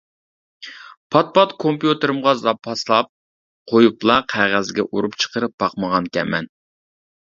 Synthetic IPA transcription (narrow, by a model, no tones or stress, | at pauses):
pʰɑt̪̚pɑt̪kʰompjut̪ɨɾɨmʁɑzɑpʰɑslˠɑp̚ | qʰojuplˠɑqʰæʁæzɡʲɛʔuɾupt͡ʃʰə̥qʰəɾɨp̚bɑqməʁɑnkʲʰɛ̰mɛ̰n